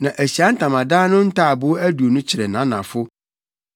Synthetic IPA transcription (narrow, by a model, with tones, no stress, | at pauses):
nã˨ʔæ˨ɕi˨a˦n̩˦tʰã˨mã˨dãː˦nʊ̃˦n̩˦tʰa˦˨bʊ˦æ˦du˨o˨nʊ̃˦t͡ɕʰɪ˨ɾɛ˨nã˨˦nã̰˨fʊ˦